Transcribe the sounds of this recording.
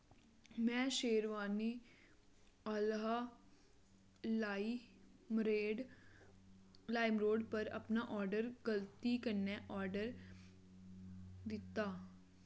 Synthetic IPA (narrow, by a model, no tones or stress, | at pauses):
mɛ̃ːʃeːɾʋaːniː | əlɦa | mɾeːɖ | laːɪmɾoːɖpəɾə̰pnaːʔɔːɾɖəɾɡəlt̪iːkənːɛːʔɔːɾɖəɾ | d̪ɪt̪ːaː